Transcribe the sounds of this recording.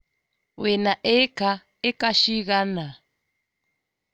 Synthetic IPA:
wenaʔɛka | ekaʃiɣana

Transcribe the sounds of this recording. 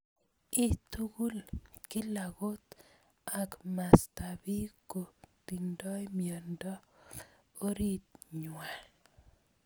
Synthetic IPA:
ɪt̪uɡulkɪlaɡot̪ | akmastabikot̪indɔjmjɔndɔ | oɾit̪̚ɲwa

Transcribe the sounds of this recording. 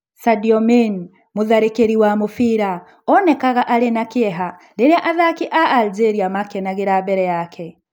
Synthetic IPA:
sadiɔmen | moðaɾekeɾiwamofiɾa | ɔnɛkaɣaʔaɾenakeɛɦandeɾeaʔaðakiʔaʔːld͡ʒeɾiamakɛnaɣeɾabɛɾɛjakʰɛ

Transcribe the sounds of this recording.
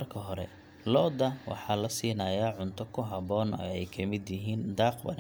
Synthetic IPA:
rkʰɐɦɔɾɛ̰ | lɔːd̪ɐwɑ̰ħɑːlɐsiːnɐːjaːʕʊnt̪ʰɔkʰʊɦɐbɔːnɔ̰ɛjkʰɐmɪd̪jɪɦiːnd̪ɑːqwɐ̰n

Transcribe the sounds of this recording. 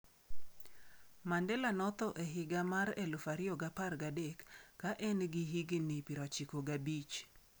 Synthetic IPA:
mandɛlanɔt̪ɔʔeɦɪɡamaɾelufaɾɪoɡaparɡadekːaʔɛnɡɪɦiɡɪnipiɾɔt͡ʃikoɡabit͡ʃ

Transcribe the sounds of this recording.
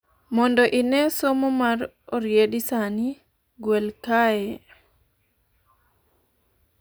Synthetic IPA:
mɔndɔʔɪnɛsomomaɾ | oɾjedisani | ɡwelkaɛ

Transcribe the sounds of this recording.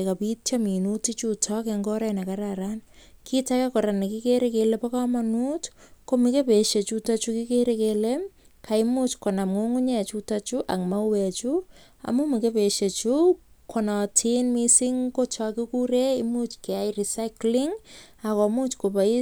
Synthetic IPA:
kapitt͡ʃaminutit͡ʃutʰɔkɛŋɡɔɾɛnakaɾaɾankʰitakekoɾanekikeɾekelepakamanutkomikepeʃet͡ʃutat͡ʃukikeɾekelemkʰaimut͡ʃkonamŋoŋuɲɛt͡ʃutat͡ʃuʔakmawɛt͡ʃu | a̰mumikepeʃet͡ʃukʰonɔtʰinmisiŋkot͡ʃakikuɾeimut͡ʃkeajrisaɪklɪŋ | akɔmut͡ʃkopai

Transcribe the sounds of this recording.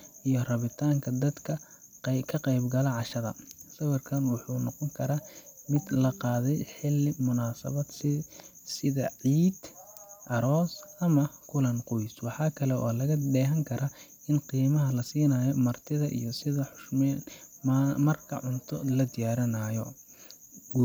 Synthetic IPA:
ʔijɞrɐβɪt̪ʰaːŋkʰɐd̪ɐd̪kʰɐkʰɐqɛjbɡɐlɐʕɑʃɐðɐ̰sɐwɐrkʰɐnwʊħuːnɔqɔŋkʰɐɾamɪd̪lɐqɑːðɛjħɪlɪmʊnaːsɐ̰βɐd̪sɪsɪðɐ̰ʕiːd̪ʔɐɾɔːsɐmɐkʰʊlɐnqʊjswɑħɑːkʰɐlɛʔɔːlɐɣɐd̪ɛːɦɐŋkʰɐɾʔɐ | ɪnqiːmɐɦɐlɐsiːnɐːjɔmɐrt̪ʰɪðɐʔḭjɔsɪðɐħʊʃmɛːn | mɐrkʰɐ̰ʕʊnt̪ʰɔlɐd̪ɪjaːɾɐnɐjɔ

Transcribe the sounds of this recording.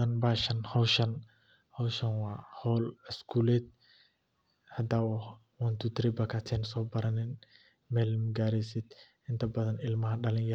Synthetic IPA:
ɐnbaːʃɐnhɔwʃɐn | hɔwʃɐnwaːhɔlɛskʰulɛt̪̚ | hɐd̪awɔh | wɔnt̪ut̪ɾɪbɐkʰat̪ʰɛːnsɔːbɐɾɐnɪn | mɛlmɡaːɾɪsɪd̪ʔɪnt̪ʰɐbɐðɐnɪlmɐɦɐɖɐlɪnjɐ

